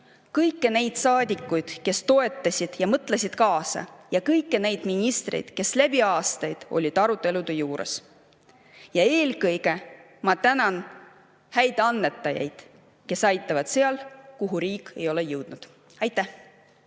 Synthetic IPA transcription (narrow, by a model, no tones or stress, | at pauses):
kɤjkːene̞jd̪̥sɑːd̪ʲikːˑujd̪̥ke̞st̪o̞e̞t̪ːˑɑsʲid̪̥jɑmɤt̪ːˑlesʲid̪̥kɑːsɑ̰jɑkɤjkːene̞jd̪̥minʲist̪rḛjd̪̥ke̞slæbiɑːst̪ɑjd̪̥o̞̰lʲid̪̥ɑɾut̪ˑːe̞lud̪̥e̞juːɾḛs | jɑe̞ːlkɤjɡ̥e̞ | mɑt̪ænɑn | hæjd̪̥ɑnːe̞t̪ːˑɑjɑ̰jd̪̥ | ke̞sɑjt̪ˑːɑvɑd̪̥se̞ɑlkuɦuɾiːkːˑe̞̰jo̞lejɤwd̪̥nud̪̥ | ɑjt̪ːˑæh